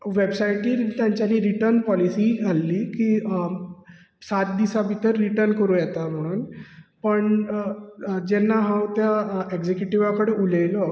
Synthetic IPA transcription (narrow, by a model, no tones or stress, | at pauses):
ʋebsajʈiːt̪jãɲt͡ɕjaliːɾiʈəɾnpɔlisiːalːiːkiː | sat̪̚d̪isabʱit̪əɾːiʈəɾnkəɾũjɛt̪am̤əɽ̃uːnpəɳ | d͡ʑɛnːaɦãwt̪jaeɡd͡ʑekjuʈiʋakəɽeuləlɔ